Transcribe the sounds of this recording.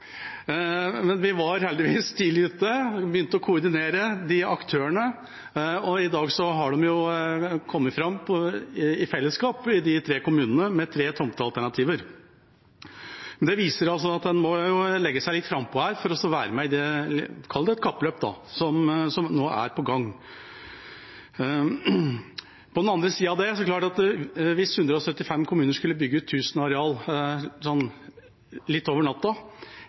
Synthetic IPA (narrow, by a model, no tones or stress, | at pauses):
mɛnʋɪʋɑɾhɛld̪ɪʋiːst̪ilʉːt̪ːəbəjʏnt̪əɔkʰʊʊɾd̪ɪneːɾəd̪ɪɑkt̪ʰøːəɳə | ɔɪd̪ɑːɡsɔɦɑɖɔmjʊkʰɔmːətfɾɑmːpʰɔɪɪfɛlːəskɑːpɪd̪ɪt̪ʰɾeːkʊmʉːnənəmɛt̪ʰɾeːt̪ʰɔmt̪əɑlt̪æɳɑt̪ʰiːʋəɾ | mɛnd̪ɛʋiːsəɾɑls̬ɔɑt̪̚d̪ɛnmɔjʊlɛɡːəsæɪlɪt̪fɾɑmːpʰɔhæːɾfɔɾɔsɔʋæːɾəmæɪd̪ɛkʰɑlːd̪ɛt̪̚kʰɑpːløːpd̪ɑ̰sɔmsɔmnoːʔæ̰ɾpɔɡɑŋː | pɔd̪ɛnɑnd̪ɾəsiːɑʋd̪ɛsɔklɑːʈɑt̪ʋɪshʉnd̪ɾəɔsœt̪ːɪfɛmːkʰʊmʉːnəʂkʉlːəbʏɡːəʉːt̪ʰːʉːsənəɑɾɛɑːlsɔnː | lɪt̪ːoːʋəɳɑt̪ːɔ